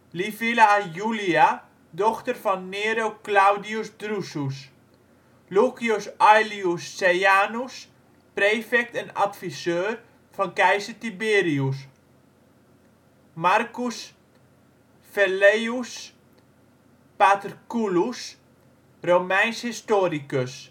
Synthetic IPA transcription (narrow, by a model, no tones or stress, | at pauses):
lifilajulia | dɔxtərfɔnːeːɾoklawdiusdrusus | lukjusɔjliusːejaːnus | preːfɛk̚tɛna̰tfisøːr | fɔnkɛjsətibeːɾius̬ | markus | fɛlejus | patərkulus | romɛjnshistoːɾikəs